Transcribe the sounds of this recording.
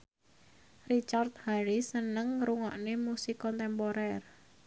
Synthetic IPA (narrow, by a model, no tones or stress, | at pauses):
rit͡ʃart̪̚haɾisənəŋɾuŋɔʔnemusikɔnt̪ɛmpoɾɛr